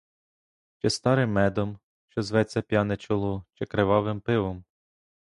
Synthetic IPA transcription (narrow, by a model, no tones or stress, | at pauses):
t͡ʃɪst̪ɑɾɪmːɛd̪ɔm | ʃt͡ʃɔzʋɛt͡sʲːɐpʲjɑnɛt͡ʃɔlˠut͡ʃɪkɾeʋɑʋɪmpɪʋɔm